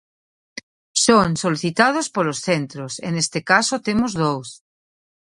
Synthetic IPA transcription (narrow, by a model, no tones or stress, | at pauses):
soŋsoliθit̪að̞ospolosθent̪ɾosḛnest̪ekasot̪emozðows